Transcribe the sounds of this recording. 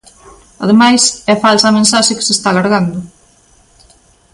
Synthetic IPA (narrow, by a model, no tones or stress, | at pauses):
ɐðemajsɛfalsɐmẽnsaʃɪkɪ̥sɪst̪aːlaɾɣand̪ʊ